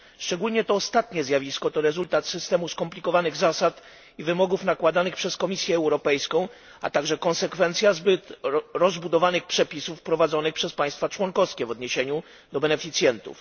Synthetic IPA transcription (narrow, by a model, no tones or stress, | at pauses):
ʂt͡ʂɛɡulɲɛt̪ɔːst̪at̪ɲɛzʲjavʲiskɔt̪ɔɾɛzult̪at̪sɘst̪ɛmuskɔmplʲikɔvanɘɣzasat̪ | ivɘmɔɡufnakwad̪anɘxpʂɛskɔmʲisʲjɛːwɾɔpɛjskɔ̃w̃ | a̰t̪aɡʐɛkɔ̃ñsɛkfɛnt̪sʲjazbɘt̪ɾɔzbud̪ɔvanɘxpʂɛpʲisufpɾɔvad̪zɔnɘxpʂɛspaj̃st̪fat͡ʂwɔnkɔfskʲɛvɔd̪ɲeɕeɲu | d̪ɔbɛnɛfʲit̪sjɛnt̪ṵf